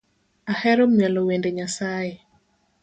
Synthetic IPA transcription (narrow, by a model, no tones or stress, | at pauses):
ahɛɾɔmjwɛlɔwendeɲasaje